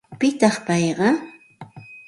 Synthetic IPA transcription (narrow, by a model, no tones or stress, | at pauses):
pɪt̪ɑχpɑjɢɑ